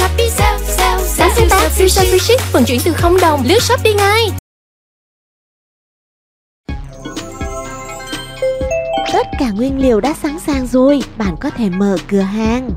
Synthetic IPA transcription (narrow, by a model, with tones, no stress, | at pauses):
a˨˧˦si˨˦t̪aː˧wi˧səː˧zi˧˦t͡ɕï˦˥k̚fɨ˧˨˩ŋt͡ɕwi˧˩ənt̪ɨ˨˩xə˧wŋ͡mɗə˨˩wŋ͡mlɨ˨˦ət̚sə˦˥p̚ɗi˧ŋa˧j | t̪ə˦˥t̚kaː˧˩ŋwi˧ənli˨˩˨əwɗa̰ː˧˥saː˨˦ŋsaː˨˩ŋzo˨˩jɓa̰ː˧˨nkɔ˨˦t̪ʰe˧˩məː˧˨˩kɨ˨˩əɦaː˨˩ŋ